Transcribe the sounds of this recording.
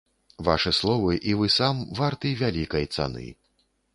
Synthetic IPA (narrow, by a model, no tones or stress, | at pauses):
va̰ʂɨslˠɔvɨʔivɨsamvart̪ɨjvʲalʲikɐjt̪sa̰nɨ̰